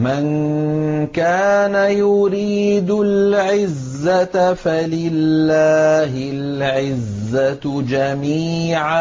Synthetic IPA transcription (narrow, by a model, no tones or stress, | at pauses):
man | kaːnajʊɾiːd̪ʊlʕɪzːafalɪlːaːhɪlʕɪzːad͡ʒamiːʕa